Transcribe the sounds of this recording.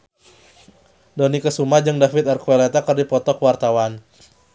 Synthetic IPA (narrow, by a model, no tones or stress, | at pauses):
dɔnikəsumad͡ʒɨŋdafɪt̪arkuɛlat̪akərdipɔt̪ɔkəwart̪awan